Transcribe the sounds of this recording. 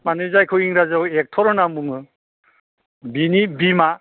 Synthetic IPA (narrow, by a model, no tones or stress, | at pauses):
manɯzajkʰɯwiŋɾazawek̚tʰɔɾɔnambuŋɯ | binibima